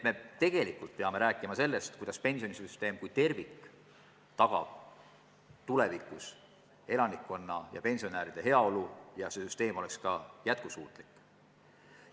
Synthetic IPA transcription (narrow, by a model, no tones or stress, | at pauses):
eme̞t̪e̞ɡ̥e̞likːˑult̪̚pe̞ɑme̞ɾæːkːˑimɑse̞lːest̪̚kujd̪ɑspe̞nʲsio̞nisyst̪e̞ːmkujt̪e̞rvikː | t̪ɑɡ̥ɑ̰b̥ | t̪ule̞vikˑus | e̞lɑnikːˑo̞nːɑjɑ̰pe̞nʲsio̞næːɾid̪̥e̞ɦe̞ɑo̞lujɑse̞syst̪e̞ːmo̞le̞kskɑjæt̪̚kusṵːt̪ˑlikːˑ